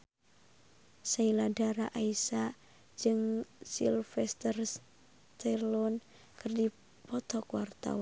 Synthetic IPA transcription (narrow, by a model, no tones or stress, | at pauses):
sailadaɾaʔaisa | d͡ʒɨŋsḭlfɛst̪ərs | t̪ɛrlɔn | kɨrdi | pɔt̪ɔkwart̪a̰wa